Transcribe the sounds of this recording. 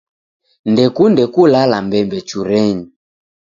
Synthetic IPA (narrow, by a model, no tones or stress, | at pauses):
ndɛkundɛkulalambɛmbɛt͡ʃuɾɛni